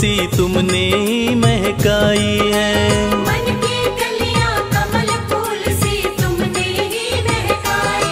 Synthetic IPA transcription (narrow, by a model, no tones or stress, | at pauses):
it̪ʊmneɦimɛɦkaːiɦɛːmɐnkiɡɐlijãːk̪amɐləkoːlsiːt̪ʊmneɦimɛɦkaːi